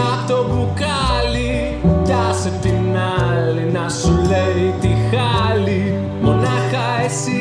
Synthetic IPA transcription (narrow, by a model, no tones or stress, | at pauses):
at̪obukali | jasətiŋalinasulet̪ixali | monakaɛsi